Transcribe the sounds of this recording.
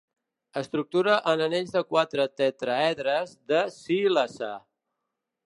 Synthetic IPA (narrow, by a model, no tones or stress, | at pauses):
əst̪ɾuk̚t̪uɾəʔənəneʎzðəkwat̪ɾət̪ɛt̪ɾəɛðɾəzðəsilasa̰